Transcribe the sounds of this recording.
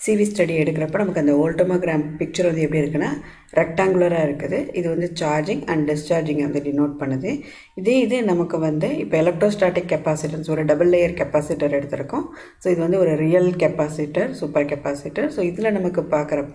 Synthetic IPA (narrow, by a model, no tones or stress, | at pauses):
siːʋisʈɐɽiɛɽɯkːɪɾɐpːoːnɐmɐkːɯɐnd̪ɐoːlʈɔmaːɡɾaːmpɪk̚t͡ʃɐɾʋɐnd̪ɯɛpːɐɽiɪɾɯkːɐnːaː | ɾɛʈːaːŋɡʊɭlɐɾaːɪɾɯkːɯðɯɪðɯʋɐnd̪ɯt͡ʃaːɾd͡ʒɪ̃ŋɡɐɳɖɖɪst͡ʃaːɾd͡ʒɪ̃ŋɡɐɐnd̪ɯlinoːʈ̚pɐɳːɐðɯ | ɪðeːɪðɯnɐmɐkːɯʋɐnd̪ɯɪpːoːɛlɐk̚ʈɾoːsʈaːʈːɪkːɛpaːsɪʈɐnsɔɾɯɖɐbɐlːejɐɾkɛpaːsɪʈːɐɾɛɽɯt̪ːɪɾɯkːʊ̃ | soːɪðɯʋɐnd̪ɯɔɾɯɾijɐlkɛpaːsɪʈːɐɾsuːpɐɾkɛpaːsɪʈːɐɾsoːɪðɪlɐnɐmɐkːɯpaːɾkɐɾɐ